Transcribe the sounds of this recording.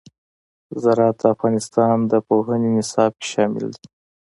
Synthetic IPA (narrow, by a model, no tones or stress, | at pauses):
zaɾɑt̪əafɣɑnɪst̪ɑnd̪əpoɦənenɪsɑb̚ke̥ʃɑmɪ̰ld̪i